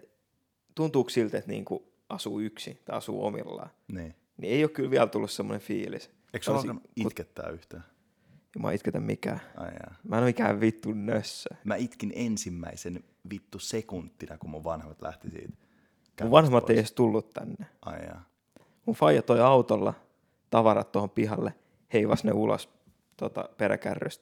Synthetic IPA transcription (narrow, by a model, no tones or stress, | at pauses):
t̪unt̪uːksilt̪et̪nḭːŋku | ʔɑsuːyksḭt̪ɑiɑsṵːo̰mḭlːɑ̰ːniː | nieijokylʋiælt̪ulːussemːonefiːlis | eiksolkɑit̪ket̪ːæ̰ːyht̪æː | eimuɑ̰ːit̪ket̪æmmikæ̰ːɑ̰ijɑ̰mæːsɑnoikæːʋʋit̪ːunnøsːæmæit̪kinensimːæ̰isen | ʋit̪ːusekunt̪ːinɑkumuʋʋɑnhemɑt̪læ̰ht̪isḭːt̪ | kuʋʋɑnhemːɑt̪ːeiiost̪ulːut̪t̪æ̰nːe | ɑ̰jɑ̰ | munfɑijɑt̪ːoiɑut̪olːɑ̰ | t̪ɑʋɑrɑt̪t̪ːohompiɦɑlːe | heiʋɑsnḛulo̰s | t̪ot̪ɑ̰peɾæ̰kærːø̰st̪